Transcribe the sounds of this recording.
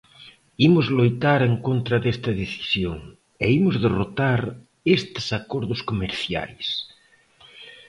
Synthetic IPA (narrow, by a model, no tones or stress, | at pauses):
imozlojt̪aɾeŋkont̪ɾaðest̪ɐðeθi̥sjoŋ | eimozðerot̪aɾ | est̪e̥sakoɾðoskomeɾθja̰js